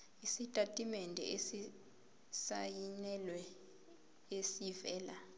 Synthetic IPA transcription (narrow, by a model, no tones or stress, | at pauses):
isitʼatʼimɛndʱɛ̰ʔesi | sajinɛlwɛ | esivɛːla